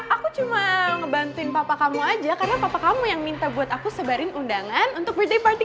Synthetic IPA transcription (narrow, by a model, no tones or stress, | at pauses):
ʔakut͡ʃumaŋəbant̪uɪnpapakamuad͡ʒakaɾənapapakamujaŋmint̪abuat̪akusəbaɾɪnʔundaŋanunt̪ʊk̚bərdepart̪i